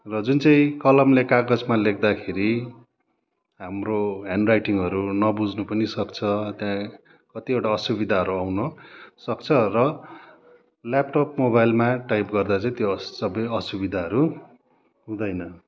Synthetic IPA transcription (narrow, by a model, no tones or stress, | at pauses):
rʌd͡zunt͡sʌĩkʌlʌmlekaɡʌd͡zmalek̚ʰd̪akʰeɾi | ɦamroɦaɳɖrajʈiŋɡʌɾunʌbud͡znupʌnisʌkt͡sʰʌt̪jã | kʌt̪iewʈaʌsubid̪ʱaɦʌɾuawnʌsʌkt͡sʰʌrʌ | lap̚ʈopmobajlmaʈajpɡʌrd̪at͡sʌĩt̪josʌbʌjʌsubid̪ʱaɦʌɾu | ɦũd̪ʌjnʌ